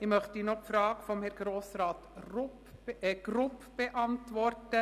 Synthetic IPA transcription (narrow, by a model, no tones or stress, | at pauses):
ɪmœχtinɔpfɾɑːɡfɔmhɛɾɡ̥ɾoːsɾɑːtr | ɛɡ̥ɾʊpb̥ɛʔɑntʋɔrtə